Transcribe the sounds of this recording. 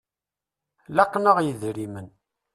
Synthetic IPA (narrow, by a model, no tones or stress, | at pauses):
lɑqːnəʁjəðɾimən